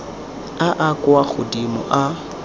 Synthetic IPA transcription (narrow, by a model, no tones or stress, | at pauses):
aʔakʼwaɣʊdimʊ̰ʔa